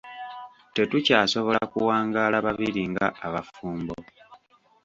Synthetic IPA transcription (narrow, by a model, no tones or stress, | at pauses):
te̞tucaːso̞βo̞lakuwaːŋɡaːlaβaβiɾiŋɡa̰ːβafuːmbo